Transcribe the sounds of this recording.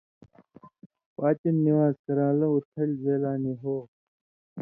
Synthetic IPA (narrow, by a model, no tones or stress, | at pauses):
paːt͡ɕɐnːiwaːzkɐɾãːlɐut̪ʰɐlzeːlaːniɦoː